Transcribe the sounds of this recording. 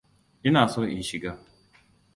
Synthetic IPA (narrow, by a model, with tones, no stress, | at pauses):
ʔɪ˦naː˨so˦ʔɪ̰˦˨ʃɪ˨ɡaː˦